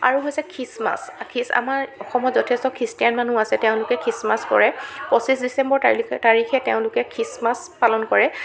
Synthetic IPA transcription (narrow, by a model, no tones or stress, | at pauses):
a̰ɹuɦojsɛkʰɹisma̰skʰisa̰maɹɔxɔmɔzɔtʰɛstɔkʰɹistijanmanuasɛteʊ̃lʊkɛkʰɹismaskɔ̰ɹɛpɔsisdisɛmbɔɹtaɹixɛteʊ̃lʊkɛkʰɹismas | palɔnkɔɹɛ